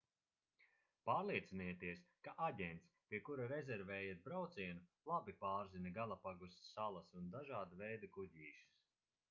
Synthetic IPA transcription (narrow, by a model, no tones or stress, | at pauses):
paːɾliɛt̪sinɛːt̪iɛskaʔaɟʲɛnt̪spʲiɛkuɾaɾɛzɛɾvɛːjiɾbɾawt̪siɛnulˠabipaːɾzinʲɐɡalˠapaɡust̪salˠɐsund̪aʒaːd̪uvɛjd̪akuɟ̪ʲiːʃi̥s